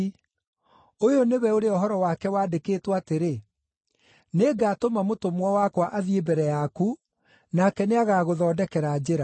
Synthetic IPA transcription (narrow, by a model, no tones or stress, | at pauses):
ojoneβɛoɾeɔɦɔɾɔwakɛwaːdekeːtwaateɾe | neɡatomamotomwawakwaʔaðiebɛɾɛjaku | nakɛneaɣaːɣoðɔːdɛkɛɾad͡ʑeɾa